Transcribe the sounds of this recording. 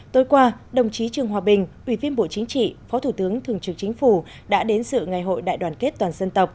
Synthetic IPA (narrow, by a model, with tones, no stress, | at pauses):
t̪o˨˦jkwaː˧ɗə˨˩wŋ͡mt͡ɕi˨˦t͡ɕɨ˨˩əŋɦwaː˨˩ɓï˨˩ŋ̟ʔwi˧˩vi˧ənɓo̰˧˨t͡ɕï˨˦ŋ̟t͡ɕḭ˧˨fɔ˨˦t̪ʰu˧˩t̪ɨ˨˦əŋt̪ʰɨ˨˩əŋt͡ɕɨ˨˩k̚t͡ɕï˨˦ŋ̟fu˧˩ | ɗa̰ː˧˥ɗe˨˦nsɨ̰˧˨ŋa˨˩jɦo̰˧˨jɗa̰ː˧˨jɗwaː˨˩nke˦˥t̚t̪waː˨˩nzə˧nt̪ə˨˩p̚